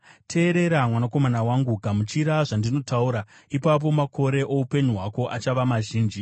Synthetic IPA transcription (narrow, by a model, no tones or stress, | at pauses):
tʰe̞ːɾe̞ɾamwanako̞manawaŋɡuɡʱamut͡ʃiɾaʐandino̞tauɾaipap̬o̞makʰo̞ɾe̞ʔo̞upe̞ɲuɦwako̞ʔat͡ʃaʋamaʒiːnd͡ʒi